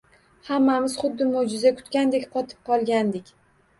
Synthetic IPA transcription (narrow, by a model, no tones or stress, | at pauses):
hamːamɪz̥χʊd̪ːɪmowd͡ʒɪzakʰʊ̥t̪kʲand̪ekʲqʰɒt̪ʰɪ̥p̚qʰɒlˠɡʲand̪ɪkʲ